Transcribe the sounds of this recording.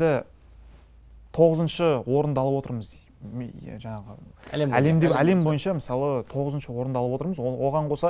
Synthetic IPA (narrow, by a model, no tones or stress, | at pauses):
d̪ɪ | t̪ʰo̞ʁəzənʃəwo̞ɾənd̪ɑlˠəpwo̞t̪əɾməz̰ | ʒɑɴɑʁəæle̞md̪eæle̞mbo̞jənʃɑməsɑlˠət̪ʰo̞ʁəzənʃəwo̞ɾənd̪ɑlˠəpwo̞t̪əɾməzwo̞ʁɑɴqʰo̞sɑ